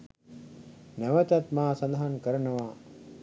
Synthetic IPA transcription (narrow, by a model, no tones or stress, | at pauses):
nɛʋɐt̪ɐt̪maːsɐnd̪ɐɦankəɾɐnɐʋaː